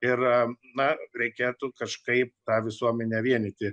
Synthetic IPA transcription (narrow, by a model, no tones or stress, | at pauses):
ɪrnɐɾʲɛɪkʲeːt̪ʊkɐʃkɐɪp̚t̪ɑːʋʲɪsuɔmʲɛnʲɛʋʲiɛnʲɪt̪ʲɪ